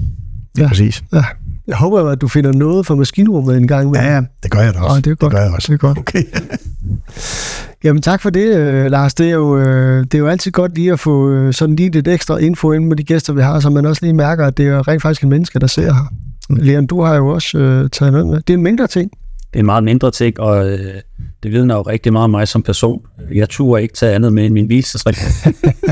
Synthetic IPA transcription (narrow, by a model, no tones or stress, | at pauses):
æsḭːsjæjɑɦɔ̽ːb̥ɐjoæd̥̚ufe̝n̰ɐnɔ̽ːð̞̩ˠfɒ̽mæsɡ̥ḭːnəʁɔmð̩ˠenɡ̥ɑ̈ŋ̰med̥eɡ̥ɶɐjadd̥e̝ɡ̥ɒ̽dɡ̥ɐj̥eɡ̥ɒd̥kʰ | jæmənt͡sʰɑ̈ɡ̥fɒ̽de̝ølɑ̈ːsd̥e̝æjo̝ød̥e̝ɐjo̝æl̰t͡sʰið̞̩̰ˠɡ̥ɒ̽d̥liːæfɔ̽øsɒ̽d̥n̩liːle̝d̥eɡ̥sd̥ʁɐʔe̝nfo̰en̩med̥iɡ̥esd̥ɐʋiɦɑ̰̈s̬ɒ̽mːænɒ̽sliːmæɐɡ̥ɐæd̥e̝æɐʁɛ̰nfɑɡ̥isɡed̥menəsɡ̥əd̥ɑ̈se̝ɐ̰ɦɑleːɐnd̥uhɑ̈jo̝ɒ̽søt͡sʰɛːð̩ˠnɔ̽ð̩ˠmed̥e̝enme̝nd̥ʁɐt͡sʰe̝ŋ̰d̥e̝nmɑ̈ːð̩ˠme̝nd̥ʁɐt͡sʰe̝ŋ̰ɒ̽ | d̥e̝ʋiðˠnɐjoʁɛɡ̥̚d̥imɑ̈ːð̩ˠmɑ̈ɪsɒ̽mpʰæɐso̝̰ːnjɑ̈ɪt͡sʰṵːɐe̝ɡ̥ət͡sʰɛænð̩ˠmeenminʋiːlsəsʰʁɛɡ̥